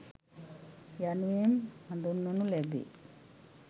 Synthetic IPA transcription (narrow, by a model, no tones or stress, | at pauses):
januemɐnd̪unːonulebḛ